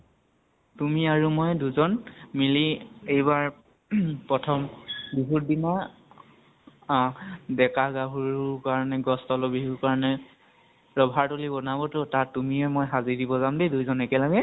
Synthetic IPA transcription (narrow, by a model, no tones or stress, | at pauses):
tumiaɹumɔjduzɔnmiliejbaɹ | pɹɔtʰɔmbiɦuɹdina | dɛkaɡaɦuɹkaɹɔnɛɡɔstɔlɔbiɦukaɹɔnɛ | ɹɔbʱaɹtolibɔnabɔtotaɹtːumiɛmɔjɦazidibɔzamdedujzɔnɛkɛlaɡɛ